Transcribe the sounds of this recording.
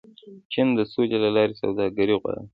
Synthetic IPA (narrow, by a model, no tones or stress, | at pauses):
t͡ʃɪnd̪əsod͡ʒalalɑɾesa̰wd̪ɑɡaɾiɣwa̰ɽə̰